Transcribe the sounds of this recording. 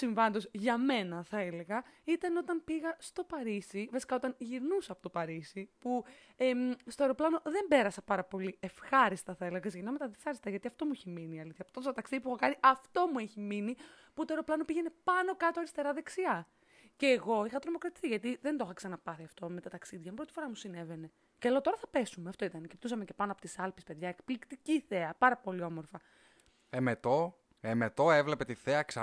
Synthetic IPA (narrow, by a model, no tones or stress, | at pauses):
siɱvɐnd̪o̞sʝɐme̞nɐθɐeleɣɐit̪ɐno̞t̪ɐmpiɣɐst̪o̞pɐɾisivɐsi̥kaɐot̪ɐnʝiɾnusɐːpot̪opɐɾisipu | est̪o̞e̞ɾo̞plɐno̞ðe̞mbe̞ɾɐsɐpɐɾɐpo̞lie̞fxɐɾist̪ɐθɐeleɣɐksʝinɐmet̪ɐðefɐɾist̪ɐʝɐt̪iɐft̪o̞mueçiminiɐliθçɐpo̥t̪ot̪st̪t̪ɐksiðipuuxɐkɐniʔɐft̪o̞mueçimini | put̪oe̞ɾo̞plɐnopiʝene̞pɐno̞kɐt̪oɐɾist̪e̞ɾɐðe̞ksiɐ | ce̞ːɣo̞ixɐt̪ɾo̞mo̞kɾɐt̪i̥θiʝɐt̪iðend̪oxɐksɐnɐpɐθiɐft̪o̞me̞t̪ɐt̪ɐksiðʝɐmpɾot̪ifo̞ɾɐmusine̞ve̞ne̞ | celot̪o̞ɾɐθɐpe̞sumeɐft̪o̞it̪ɐnecept̪usɐmece̞pɐnoɐpot̪isɐlpi̥speðʝɐekplikt̪iciθe̞ɐpɐɾɐpo̞lio̞mo̞ɾfɐ | emet̪o̞ | emet̪oevle̞pe̞t̪iθeɐksɐ